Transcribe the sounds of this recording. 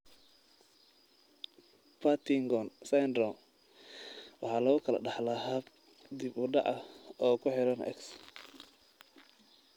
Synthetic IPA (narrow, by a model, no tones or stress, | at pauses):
pʰat̪ʰɪŋɡɔnsajnd̪ɾɔ | wɑħɑːlɐɣʊkʰɐlɐ̰ɖɑħlɐɦɐb | d̪ibʊɖɑ̰ʔɐɔːkʰʊħɪɾɐnʔɛ̰ks